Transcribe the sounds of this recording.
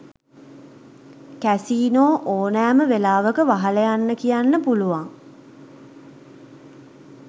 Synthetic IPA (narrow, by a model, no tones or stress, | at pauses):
kæsiːnoːʔoːnæːməʋelaːʋəkəʋaɦaləjanːəkijanːəpuluʋaŋ